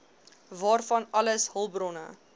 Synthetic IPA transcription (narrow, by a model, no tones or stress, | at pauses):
vɑːrfɐnɐləsɦəlˠbrɔnə̰